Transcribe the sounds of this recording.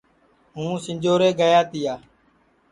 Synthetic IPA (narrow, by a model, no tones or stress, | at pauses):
ɦũːsɪɲd͡ʒoːɾeːɡəjaːt̪ɪjaː